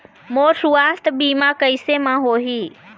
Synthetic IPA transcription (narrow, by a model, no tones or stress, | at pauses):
moːsuast̪biːmakəɪsemãɦoːɦiː